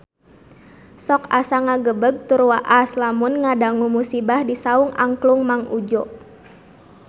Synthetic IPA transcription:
sɔkasaŋaɡəbəɡ̚t̪uɾwaʔaslamunŋadaŋumusibahdisauŋa̰ŋkluŋmaŋud͡ʒɔʔ

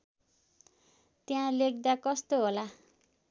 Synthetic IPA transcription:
t̪jãlek̚d̪akʌst̪oɦola

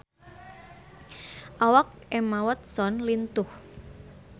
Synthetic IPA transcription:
ʔawɔk̚emawət̪̚sɔnlint̪ʊh

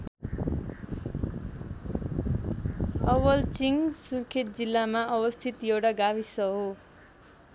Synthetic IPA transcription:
ʌwʌlt͡siŋsurkʰet̪̚d͡zilːamaʔʌbʌst̪ʰit̪jewʈaɡabisʌɦo

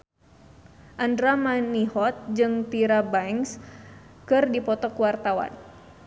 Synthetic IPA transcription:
ʔandɾamaniɦɔt̪̚d͡ʒɨŋt̪iɾabajŋs | kɨrdipɔt̪ɔkəwart̪awa̰n

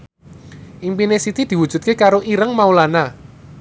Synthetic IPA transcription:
ʔimpinesit̪id̪̥i̤wud̥ʒ̥ṳt̪̚kekaɾoʔiɾəŋmaulana

